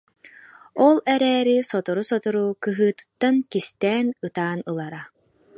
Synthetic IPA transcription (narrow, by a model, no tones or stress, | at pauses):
ɔlˠɛɾɛːɾisɔt̪ɔɾusɔt̪ɔɾukɯɦɯːt̪ɯ̥t̪ːankist̪ɛːnɯt̪aːnɯlˠaɾa